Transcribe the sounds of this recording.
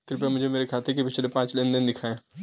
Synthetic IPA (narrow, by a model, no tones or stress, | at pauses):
kɾɪpemʊd͡ʒʱemeːɾekʰaːt̪ekepɪt͡ʃlepãːt͡ʃlẽnd̪ɪnd̪ɪkʰaːẽ